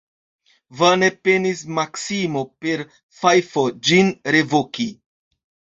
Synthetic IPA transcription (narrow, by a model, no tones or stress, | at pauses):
vanepe̞nismaksimo̞pe̞ɾ | fajfod͡ʒinɾe̞voki